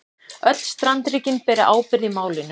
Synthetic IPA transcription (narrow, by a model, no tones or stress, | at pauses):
œt̪l̥st̪ɾant̪ɾiːcɪnpɛːɾɪʔaːwpɪɾðɪmaːwlɪn